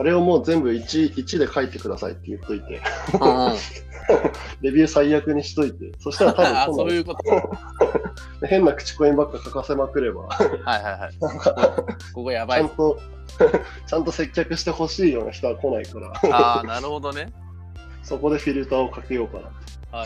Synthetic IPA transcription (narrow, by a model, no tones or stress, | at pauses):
aɾe̞o̞mo̞ːzẽ̞mbɯ̟it͡ɕiit͡ɕid̪e̞kait̪ːe̞kɯ̟d̪asa̰ḭt̪ːe̞ijɯkt̪oit̪e̞̰ | ɾe̞bʲjɯ̟ːsaiːakɯ̟ɲ̟iɕi̥t̪o̞it̪e̞so̞ɕi̥t̪aɾat̪abɯ̃onː | d̪ehẽ̞nːakɯ̟̥t͡ɕi̥ko̞ĩmbakːakakase̞makɯ̟ɾe̞ba̰hajhaɦaak | kojaaãnt̪o̞ | t͡ɕãnt̪o̞se̞kʲːakɯ̟ɕi̥t̪e̞ho̞ɕiːjo̞̰ːna̰çi̥t̪o̞βako̞naikaɾa̰anaɾɯhod̪one | so̞ko̞d̪e̞ɸʲiɾɯ̟t̪aːo̞kake̞jo̞ːkana̰t̪ːo